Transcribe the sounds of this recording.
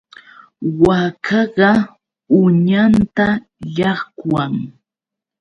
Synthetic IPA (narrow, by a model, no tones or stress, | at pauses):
wakʰɑɢɑ | ʊɲant̪a | ʎɑχkwaŋ